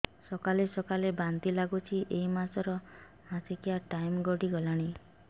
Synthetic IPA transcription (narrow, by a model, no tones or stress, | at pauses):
sɔkalesɔkalebant̪ilaɡut͡ʃʰiʔeimasɔɾɔ | mãsekiaʈajmɡɔɽiɡɔlaɽ̃i